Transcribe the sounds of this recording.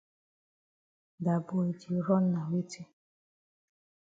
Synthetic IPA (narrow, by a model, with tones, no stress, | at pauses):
da˨bo˨e˨d͡ʒi˨ɾɔ˦nː˦a˨we˦ti˦